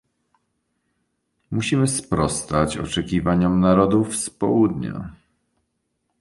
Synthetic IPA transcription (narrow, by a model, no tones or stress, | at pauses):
muɕimɘspɾɔst̪at͡ɕɔ̰t͡ʂɛkʲivaɲɔmnaɾɔd̪ufspɔ̰wud̪ɲa̰